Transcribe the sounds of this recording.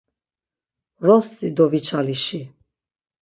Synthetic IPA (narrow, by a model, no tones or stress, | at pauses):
ɾɔst͡s̪ʼid̪ɔvit͡ʃʰaliʃi